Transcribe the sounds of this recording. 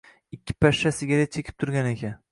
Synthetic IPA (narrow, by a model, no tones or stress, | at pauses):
ɪkʲʰːɪ̥paʃːasɪɡʲad̪at͡ʃʰekʲɪ̥p̚t̪ʰʊɾɡʲanekʲʰa